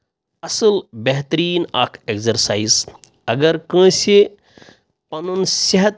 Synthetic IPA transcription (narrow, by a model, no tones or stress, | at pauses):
ɐsəlbeɦt̪ɾiːna̰kʰekzɐɾsaiz | ɐɡəɾkə̃se | pɐnunseɦɐt̪